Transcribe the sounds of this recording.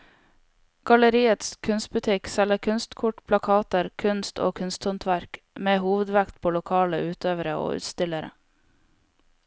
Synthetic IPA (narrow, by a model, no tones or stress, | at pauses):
ɡ̥ɑləɾiːət̪skʰʉnst̪̚bʉt̪ʰɪksɛləkʰʉnst̪kʰʊʈpʰlɑkʰɑːt̪əɾkʰʉnst̪o̰ːkʰʉnst̪hɔnt̪ʰʋæɾk | meːhuːʋəd̪ʋækt̪̚pʰoːlʊkʰɑːləʔʉːt̪ʰøːʋəɾəo̰ːʉ̰ːt̪st̪ɪləɾə̰